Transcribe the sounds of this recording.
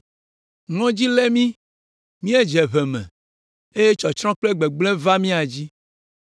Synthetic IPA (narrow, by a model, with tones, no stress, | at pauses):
ŋɔ̃˦d͡ʑi˦lɛ˦mĩ˦ | mĩ˦e˦d͡ʒɛ˨βɛ˨mɛ̰̃˨ | e˦je˦t͡ʃɔ˨t͡ʃɾɔ̃˦k͡ple˦ɡ͡be˨ɡ͡blɛ˦va˦mĩ˦a˨d͡ʑi˦